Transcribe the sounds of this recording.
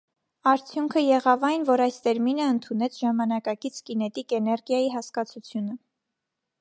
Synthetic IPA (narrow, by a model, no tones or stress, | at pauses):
ɑɾt͡sʰjuŋkʰəjɛʁɑvɑjnvɔɾɑjst̪ɛɾminəənt̪ʰunɛt͡sʰʒɑmɑnɑkɑkit͡sʰkinɛt̪ikɛnɛɾɡjɑjiɦɑskɑt͡sʰut͡sʰjunə